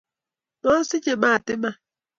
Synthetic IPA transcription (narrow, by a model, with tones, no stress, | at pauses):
nɔ˦sɪ˦t͡ʃe˨ma˦˨a˨tɪ˦ma˦